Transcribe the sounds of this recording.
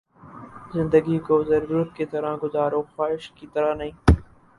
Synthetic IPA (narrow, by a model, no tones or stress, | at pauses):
zɪ̃nd̪əɡikozɐɾbɾʊt̪kit̪ɐɾaɡʊzaːɾoːxaːɪʃkit̪ɐɾanɐɦĩː